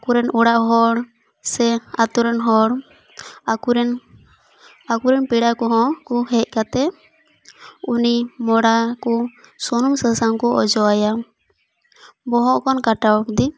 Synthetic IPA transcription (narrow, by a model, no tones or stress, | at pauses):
kuɾɛnuɽaʔɦɔɽ | sɛat̪uɾɛnɦɔɽ | kuɾɛn | akuɾɛnpiɽakɔɦɔ̃kɔɦɛc̚ˀkat̪ɛ | unimɔɽakɔsɔnumsasaŋkɔɔ̰d͡ʒɔaja | bɔɦɔʔkɔnkaʈawɔk̚d̪i